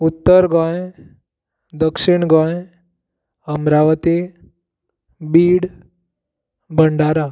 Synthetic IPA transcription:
ut̪ːəɾɡɔ̃j | d̪əkʂiɳɡɔ̃j | əmɾaʋət̪e | biːɽ | bʱəɳɖaɾa

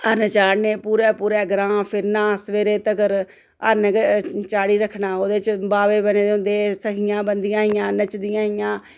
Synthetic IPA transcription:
əɾnət͡ʃaːɾneːpuːɾɛːpuːɾɛːɡɾãːpʰɪɾnãːsʋeːɾeːt̪əɡəɾ | əɾnəkt͡ʃaːɽiːɾəkʰːnaːoːd̪eːt͡ʃbaːʋeːbəneːd̪ɦʊ̃nd̪eːsəkʰɪjãːbənd̪ɪjãːɦɪjãːnət͡ʃd̪ɪjãːɦɪjãː

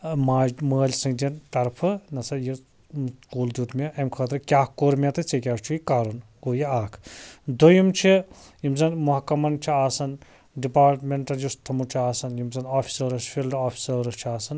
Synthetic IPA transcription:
maːd͡ʒməːlʲsɨŋɡd̪int̪ɐɾpʰɨnɐsɐji | kuːld̪uːt̪mʲeɐmkʰɐːt̪ɾɨkʲaːhkoːɾmʲɐt̪ɨt͡sekʲaːst͡ʃʰuikaːɾun | oːjiaːkʰd̪ojumt͡ʃʰi | jimzɐnmuɦɐkːɐmɐnt͡ʃʰiaːsɐn | ɖipaːɾʈmeɳʈɐljust̪ʰɐmut͡ʃʰiaːsɐnjimzɐnaːfʰʲi̥sɐːɾɐsfilɖaːfʰi̥sɐɾɐst͡ʃʰiaːsɐn

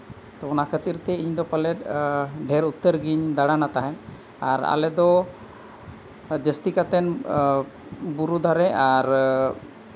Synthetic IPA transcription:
t̪ɔɔnakʰət̪iɾt̪ɛiɲd̪ɔpalɛt̪̚ɖʱɛɾut̪ːəɾɡiɲd̪aɽanat̪aɦɛn | aɾa̰lɛd̪ɔ | d͡ʒəst̪ikat̪ɛn | buɾud̪ʱaɾɛaɾ

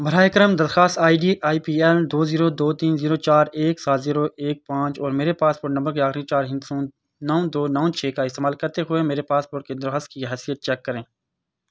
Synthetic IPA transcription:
bʱɐɾaːəkɾəmd̪ɐɾxaːst̪aːiɖiʔaːipiːɛld̪oːziːɾod̪oːt̪iːnziːɾot͡ʃaːɾeːksaːt̪ziːɾoʔeːk̚pãːt͡ʃɔːɾmeːɾepaːspoːɾʈnɐmbəɾkeaːxɾit͡ʃaːɾɦɪ̃nɡ̪sũː | nɔːõd̪oːnɔ̃ːt͡ʃʰeːkaɪst̪eːmaːlkɐɾt̪eɦʊemeːɾepaːspoːɾʈ̚ked̪ɐɾxaːst̪̚kiɦɛsijət̪̚t͡ʃɛːkːɐɾẽː

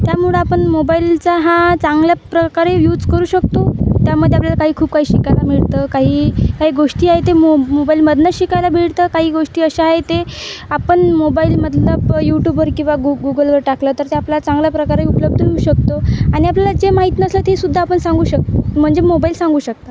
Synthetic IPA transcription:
t̪jamuɭəapəɳmobailt͡saɦãt͡sãŋɡljapɾəkaɾejuːd͡zkəɾuːɕək̚t̪ot̪jaməd̪ʱːeapljalakaɦiːkʰuːb̚kaɦiːɕikajlamiɭt̪əkaɦiːkaɦiːɡoʂʈiːaɦet̪emomobailməd̪ʱnəɕikajlabʱiɭt̪əkaɦiːɡoʂʈiːəɕaaɦet̪eapəɳmobailməd̪nəpjuʈjubəɾkĩw̃ʋaɡuɡuɡəlʋəɾʈaklət̪əɾt̪eaplat͡sãŋɡljapɾəkaɾaiupləb̚d̪əʋeuːɕək̚t̪oaɽ̃iapljalad͡zemaɦit̪nəslət̪esud̪ʱːaːpəɳsãŋɡuːɕək̚t̪m̤əɳd͡zemobailsãŋɡuːɕək̚t̪a

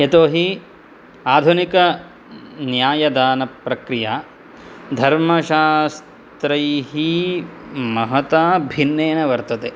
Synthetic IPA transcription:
et̪oːɦi | aːd̪ʱunikɐ | njaːjɐd̪aːnɐpɾɐkɾijaː | d̪ʱɐɾmɐʃaːs | t̪ɾɐjɦi | mɐɦɐt̪aːbʱinːeːnɐʋɐɾt̪ɐt̪e

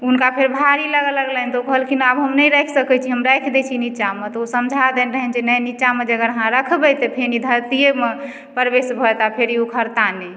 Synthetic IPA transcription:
unkapʰeɾbʱaɾiləɡələɡlənt̪ɔokəɦəlkinabɦəmnəjɾɛkʰsəkɛt͡ʃʰiɦəmɾɛkʰd̪ɛt͡ʃʰinit͡ʃamet̪ɔosəmd͡ʒʱad̪ɛnɾəɦɛnd͡ʒinəjnit͡ʃamed͡ʒəɡəɾəɦãɾəkʰbɛt̪epʰenid̪ʱəɾt̪ijeme | pəɾbesbʱɔt̪apʰeɾiokʰəɾt̪ane

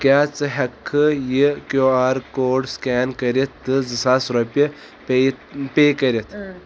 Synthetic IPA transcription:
kʲaːt͡sɨɦɐkʰːɨjikjoːaːɾkoːɖskʲaːnkɐɾit̪ːɨzɨsaːsɾɐpʲi | pet̪pʲeːkɐɾʲit̪ʰ

